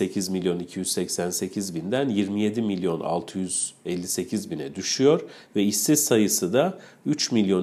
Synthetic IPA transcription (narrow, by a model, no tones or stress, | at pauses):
e̞cʰizmilʲjonicʰijyzsɛcsænse̞cʰizbind̪ænjiɾmije̞d̪imilʲjo̞na̰lˠt̪ʰɯjyz̥ɛlʲːise̞cʰizbinɛd̪yʃyjo̞ɾ | vɛisizsajɯsɯd̪ayt͡ʃmilʲjo̞n